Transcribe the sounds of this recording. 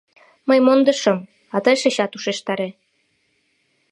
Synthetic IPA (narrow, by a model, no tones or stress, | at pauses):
məjmond̪ɤ̆ʃɤm | ɑt̪ɤjʃeɕɑt̪uʃeʃt̪ɑɾe